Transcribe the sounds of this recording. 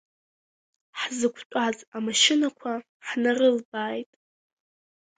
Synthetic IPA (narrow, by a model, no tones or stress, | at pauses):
ħzɨkʷʰt͡ʃʷʼazamaʃɪnakʷʰa | ħnarɨlbaːjtʼ